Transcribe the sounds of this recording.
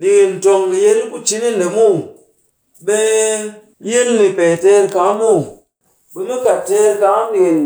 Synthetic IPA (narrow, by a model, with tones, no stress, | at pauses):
ɗi˨n˨to˧ŋki˨je˦ɾi˦ku˦t͡ʃi˦ni˦ne˨mu˦˨ | ɓe˦ | ji˦lni˨pe˨te˦ɾka˨˦mu˦˨ | bi˦ni˦ka˨te˦ɾka˨˦ŋ˦ɗi˨n